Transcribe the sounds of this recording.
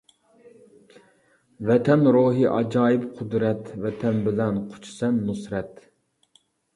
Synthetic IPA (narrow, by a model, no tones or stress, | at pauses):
vɛt̪ʰɛnɾoɦiʔɑ̰d͡ʒɑːjipqʰʊd̪ɾɛt̪vɛt̪ʰɛnbɪlɛnqʰʊ̥t͡ʃʰi̥sɛnːusɾɛt̪